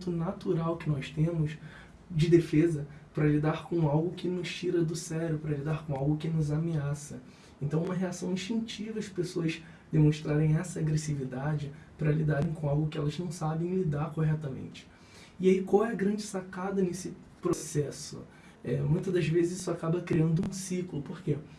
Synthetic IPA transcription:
t̪ʊnat̪uɾawkɪnɔst̪ẽmʊs | d͡ʒɪd̪efezɐpɾɐlid̪aɾkõawɡʊkɪnʊʃt͡ʃiɾɐd̪ʊsɛɾʊpɾɐlid̪aɾkõawɡʊkɪnʊzameasɐ | ẽnt̪ɐ̃w̃umɐɦeasɐ̃w̃ĩʃt͡ʃĩŋt͡ʃivɐɪpesoɐz | d̪emõʃt̪ɾaɾẽj̃ɛsɐːɡɾesivid̪ad͡ʒɪpɾɐlid̪aɾẽj̃kõawɡʊkɪɛlɐznɐ̃w̃sabẽj̃lid̪aɾkoɦɛt̪ɐmḛ̃nt͡ʃɪ̥ | ɪaikwawɛɐɡɾɐ̃nd͡ʒɪsakad̪ɐnesɪ | pɾosɛsʊ̰ | ɛmũj̃t̪ɐd̪ɐzvezɪzisʊakabɐkɾiɐ̃nd̪ʊũsiklʊpoɾke

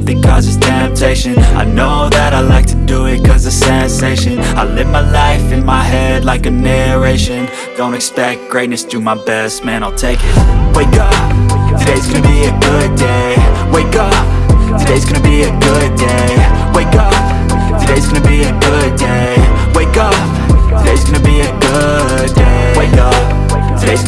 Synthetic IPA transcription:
bɨ̃kʰʌzɨz̥tʰɛ̃mp̚tʰeɪʃɨ̃na̰ɪnoʊðɨɾaɪlaɪk̚tʰɨdɨɪt̚kʰʌzɨsɛ̃nseɪʃɨ̃naɪlɪvmaɪlaɪfɨ̃nmaɪhɛdˡlaɪkɨnɛ˞eɪʃɨ̃n | d̥õʊ̃ntɨkspɛk̚t̚ɡ̥ɹeɪtⁿnɨsd̥ɨmaɪbɛst̚mæ̃naɪlˠtʰeɪkɪt̚weɪkʌptʰɨdeɪzɡʌnɨbiɨɡʊd̚eɪweɪkʌp | tʰɨdeɪzɡ̥ʌnɨbiɨɡʊd̚deɪweɪkʌp̚ | tʰɨdeɪzɡ̥ʌnɨbiɨɡʊd̚deɪweɪkʌ | tʰɨdeɪzɡ̥ʌnɨbiɨɡʊ | eɪweɪkʌp | tʰɨdeɪz

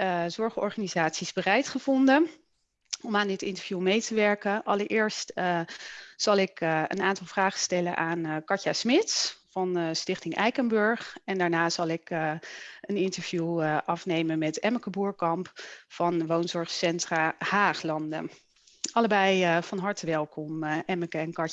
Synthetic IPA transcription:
zɔɹχɔ̰ɹχaːnizaːtsizbərɛjtχəv̥ɔndə | ɔmaːndɪtɪntəɹv̥jumejtəʋɛɹkəʔɑləɹʔɪːɹst | z̥ɑlˠɪkə̰naːntɑlˠvraːχə̥stɛlə̰nʔaːnkɑɹtasmɪtsfɑnstɪχtɪŋɛjkənbɵɹχɛndaːɹnaːz̥ɑlˠɪkəənɪntəɹv̥juəʔɑfnejmənmɛtɛməkəbuːɹkɑmpfɑnʋownzɔɹχsɛntraːhaːχlɑndə̰ | ʔɑləbɛjəvɑnɦɑɹtəʋɛlˠkɔmʔɛməkəɛnkɑ

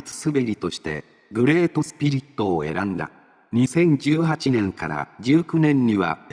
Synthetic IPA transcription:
t͡sɨ̥sɨbe̞ɾʲit̪o̞ɕi̥t̪e̞̰ | ɡɯ̟ɾe̞ːt̪o̞sɨ̥pʲiɾʲit̪ːo̞ːe̞̰ɾãnd̪a̰ | ɲ̟isẽ̞ɲd͡ʑɨːɦat͡ɕinẽ̞ŋka̰ɾa̰d͡ʑɨːkɯ̟nẽ̞ɲ̟ːiβa̰

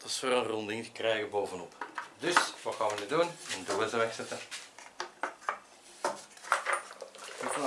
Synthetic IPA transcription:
d̥ɑsfoːɾənrɔnd̪ɪŋtə̥krɛːjɣəboːvənɔpdɵsʋɑtxaːnʋənyːduːnɛnduːəzəʋɛxsɛt̪ə

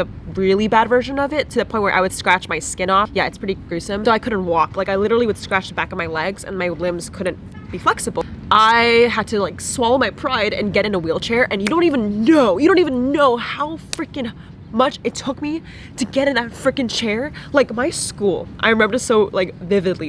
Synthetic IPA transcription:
ɨ | ɹɪlˠibædvɜ˞ʃɨ̃nʌvɪtʰɨðɨpʰɔ̃ɪ̃n̚ʔwə˞ʔa̰ɪwɨd̥skɹæt͡ʃmaɪskɪ̃ñɔfjæɨtspʰɹ̥ɪɾiɡ̥ɹʉsɨ̃mðoʊaɪkʰʊdⁿn̩t̚wɔklaɪkaɪlɪɾə˞l̩ˠiwɨd̥skɹæt͡ʃb̥ækʌvmaɪlɛɡzɨ̰̃nmaɪlɪ̃mz̥kʰʊdⁿn̩ | b̥iflɛksɨbl̩ˠʔaɪɦəd̚tʰɨlaɪkswɔlˠoʊmaɪpʰɹ̥aɪɾɨ̰̃nɡɛɾɨ̃nəwilˠt͡ʃʰɛɹʔɨ̃njɨɾõʊ̃ntivɨ̃nːoʊjɨɾõʊ̃ntivɨ̃nːoʊhaʊfɹɪkɨ̃n | mʌt͡ʃɨtʰʊk̚mi | ɾɨɡɛɾɨ̃nðɨtfɹɪkɨ̃nt͡ʃʰɛɹlaɪkmaɪskulˠʔa̰ɪɹɨmɛ̃mbə̥˞soʊlaɪkvɪvɨdˡli

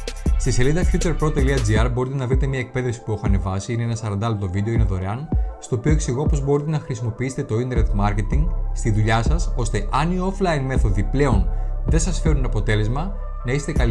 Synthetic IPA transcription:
st̪iselind̪ɐfjut͡se̞ɾpɾo̞t̪eliɐd͡ziɐɾbo̞ɾit̪enɐvɾit̪e̞mɲɐek̚pe̞ðefsi̥pue̞xoɐne̞vɐsiine̞enɐsɐɾɐnd̪ɐlot̪o̞vid̪e̞ineðo̞ɾe̞ɐnst̪o̞ːpio̞eksiɣopo̞zbo̞ɾit̪enɐxɾisimo̞piiset̪et̪o̞int̪eɾnet̪mɐɾke̞t̪iŋɡst̪iðuʎɐsɐso̞st̪e̞ʔɐnioflɐjnme̞θo̞ðiple̞o̞nðe̞sɐsfe̞ɾunɐpo̞t̪e̞le̞zmɐ | nɐise̥t̪ekɐli

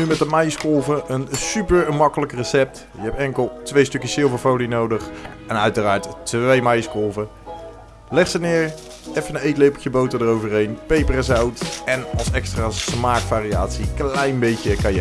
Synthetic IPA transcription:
nymɛtəmajskolˠvəʔənsypəɹmɑkələkrəsɛp̚t | jəɦɛp̚ɛŋkəlˠtʋejstɵkjəsɪlˠvəɹfowlinowdəχɛnœɥtəraːɹttejmɑjskolˠvə | lɛχsənɪːɹ | ɛfənənejtlepətjəbowtədərowvərɦejnpejpərəsawtɛnɑlˠsɛkstraːsmaːkfaːria̰ːtsiklɛjnbejtəkɑjə

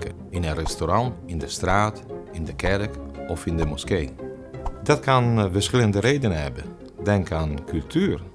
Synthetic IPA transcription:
kə | ɪnənrɛstoɾɑntɪndəstraːtɪndəkɛrkɔfɪndəmuskeː | dɑt̚kɑnvəɹsχɪləndəɾejdənəɦɛ̰bə | dɛŋkaːnkʉlˠtʰyːr

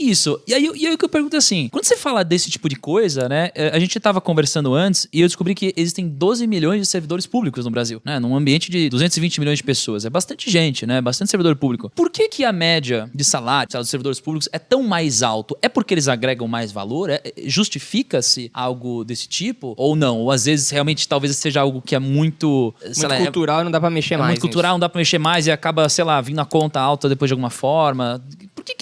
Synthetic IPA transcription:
isʊɪaiʊiaiʊkɪewpeɾɡũt̪ʊasĩwɐ̃nd̪ʊsefalɐd̪esɪ̥t͡ʃi̥pʊd͡ʒɪkojzɐnɛɛaʒẽnt͡ʃɪt̪avɐkõveɾsɐ̃nd̪ʊɐ̃nt͡ʃɪ̥sɪewd̪ɪskubɾikɪezist̪ẽj̃d̪ozɪmiʎjõj̃zd͡ʒɪseɾvid̪oɾɪspublikʊznʊbɾaziwnɛnũɐ̃mbiẽnt͡ʃɪd͡ʒɪd̪uzẽnzɪvĩnt͡ʃɪmiljõjzd͡ʒɪpesoɐzɛbast̪ɐ̃nt͡ʃɪʒẽnt͡ʃɪnɛɛbas̬t̪ɐ̃t̪ɪseɾvid̪oɾpublikʊpoɾkekʰɪɐmɛd͡ʒiɐd͡ʒɪsalaɾʊsalad̪seɾvid̪oɾɪspublikʊ̥sɛt̪ɐ̃w̃majzawt̪ʊʔɛpʊɾkɪelɪzaɡɾɛɡɐ̃w̃majzva̰loɾɛɛɛʒust͡ʃifikɐsɪawɡʊd̪esɪ̥t͡ʃipʊownɐ̃w̃oazvezɪsheawmẽnt͡ʃɪ̥t̪awvezseʒɐawɡʊkɪɛmũj̃t̪ʊsẽjlakut̪uɾawnɐ̃d̪apɾɐmeʃemãtʊkũt̪uɾawnɐ̃d̪apɾɐmeʃemajzɪakabɐsejlavĩd̪ʊɐkõnt̪ɐawt̪ɐd̪epojzd͡ʒɪawɡũmɐfɔɾmɐpoɾkekɪ

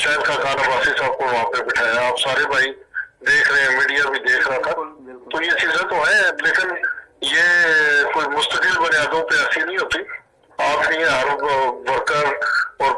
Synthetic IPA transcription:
t͡ʃaːɪlkakaːnəbaːsisaːb̚koaːpnẽbɪʈʰaːjaːpsaːɾebʱaːid̪eːkʰɾəɦẽɦɛ̃ːmiːɖijabʱid̪eːkʰɾat̪ʰat̪ojet͡ʃiːzẽt̪oɦɛ̃ːleːkɪnjekoːimʊst̪əkɪlbɐnɪjaːd̪õpeasinɐɦĩɦoːt̪iː | aːpnĩɦɛ̃ɦɐɾʋəɾkəzɔːɾ

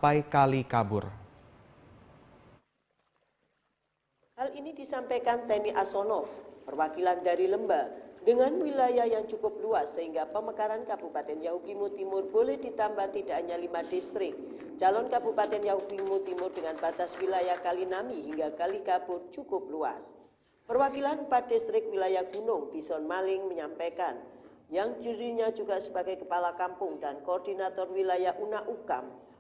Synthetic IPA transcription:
pajkalikabʊr | halʔinidisampajkant̪ɛmiʔasɔnɔfpərwakilandaɾiləmbadəŋanwilajajaŋt͡ʃukʊp̚luasːəɦiŋɡapəməkaɾankabupat̪ɛnjaɦudimut̪imʊrbolɛhdit̪ambat̪idaʔɲalimadist̪ɾɪk̚ | d͡ʒalɔnkabupat̪ɛnjaɦudimut̪imʊrdəŋanbat̪aswilajahkalinamiɦiŋɡakalikab̥ʊrt͡ʃukʊp̚lua̰s | pərwakilanpadist̪ɾɪk̚wilajahɡ̥unʊŋbisɔnmalɪŋməɲampakan | jaŋd͡ʒuɾiɲad͡ʒuɡaʔsəbaɡajkəpalakampʊŋdankoːrdinat̪ɔrwilajaʔunaʔuka̰m

